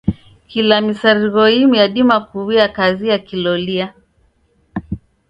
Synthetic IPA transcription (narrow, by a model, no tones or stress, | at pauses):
kilamisaɾiɣɔimujaɗimakuβiakaziakilɔlia